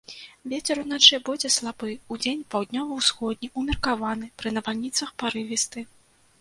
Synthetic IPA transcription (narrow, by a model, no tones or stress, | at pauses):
vʲet͡sʲɛɾunat͡ʂɨbɔd͡zʲɛslˠabɨud͡zʲenʲpawd̪ʲnʲɔvɐwsxɔd̪̚ʲnʲiʔumʲirkavanɨpɾɨnɐvalʲnʲit̪sɐxpaɾɨvʲist̪ɨ